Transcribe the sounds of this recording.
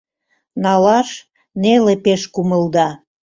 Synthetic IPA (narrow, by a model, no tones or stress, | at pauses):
nɑlɑʃ | nelepeʃkuməld̪ɑ